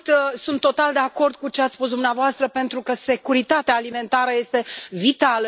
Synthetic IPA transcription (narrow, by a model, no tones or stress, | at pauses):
t̪sunt̪ːo̞t̪ald̪e̞ako̞rd̪̚kut͡ʃeat̪ssfpus̬d̪umneavoast̪ɾəpe̞nt̪ɾukəse̞kuɾit̪at̪eaːlime̞nt̪aɾəje̞st̪e̞vit̪alə